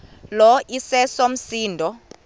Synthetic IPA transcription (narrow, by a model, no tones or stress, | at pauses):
lɔʔisɛsom̩siːndʱɔ